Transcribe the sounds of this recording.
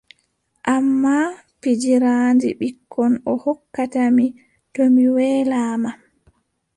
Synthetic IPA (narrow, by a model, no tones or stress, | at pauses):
ʔamːa | fid͡ʒiɾandiɓikʰːɔnɔhɔkːatami | tɔmiwɛːlaːma